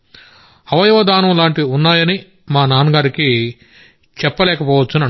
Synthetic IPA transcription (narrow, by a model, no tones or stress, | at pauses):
ɐʋɐjɐʋɐd̪aːnɐmlaːɳʈiunːaːjɐni | maːnaːnuɡaːɾiki | t͡ʃɛpːɐlɛːkɐpɔːʋɐt͡ʃːunɐ